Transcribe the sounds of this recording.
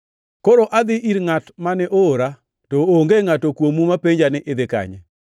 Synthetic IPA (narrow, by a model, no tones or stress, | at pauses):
koɾoʔad̪ɪʔiɾŋatmanɛʔoːɾa | toːŋɡeŋatokwomumapeɲd͡ʒanɪʔɪd̪ɪka̰ɲɛ̰